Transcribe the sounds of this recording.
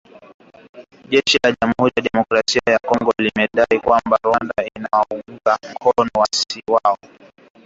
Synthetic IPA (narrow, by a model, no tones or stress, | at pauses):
ʄɛʃilaʄamuhuɾijaɗɛmɔkɾasiajakɔŋɡɔlimɛɗaikwambaɾwandainawauɡukam̩kʰɔnɔwasiwaɔ